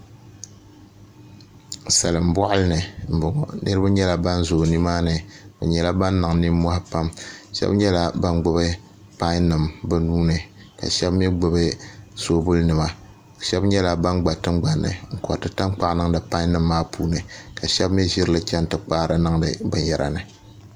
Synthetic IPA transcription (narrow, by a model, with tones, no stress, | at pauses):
sa˨lɨ˨m˨bɔ˦ʔʊ˦lɨ˦nɨ˨m̩˨bʊ˨ŋɔ̰˨nɨ˦ɾɨ˦ba˦ɲɛ˦la˨ba˦nzoː˨ni˦maː˦nɨ˨bɛ̰˨ɲɛ˨la˦ba˦nː˦ɨ˨ŋ˨ni˦mɔ˦ha˦pa˦mʃɛ̰˦bɲɛ˦la˦ba˦nɡ͡bʊ˦bɨ˦ | pa˦nɨ˨mbɨ˦nuː˦nɨ˨ | ka̰˨ʃɛ˦bmɛ˦ɡ͡bʊ˨bɨ˦z̥oː˦bʊ˦lnɨ˨ma˦˨ | ʃɛ˦bɲɛ˦la˨ba˦nɡ͡ba˨tɨ˦ŋ͡mɡ͡ba˨nːɨ̰˨ŋ̩˨kɔ˨tɨ˨ta˦ŋk͡pa˦ʔnɨ˦ŋ˦dɨ˨pa˦i˦nɨ˦mːaː˦puː˦nɨ˨ka˨ʃɛ˦bmɛ˦ʒɪ˦ɾɨ˦lɨ˦t͡ʃɛ˦n˨tɨ˨k͡paː˦ɾɨ˨nɨ˦ŋdɨ˨bɨ˨jɛ˨ɾa̰˨nɨ˨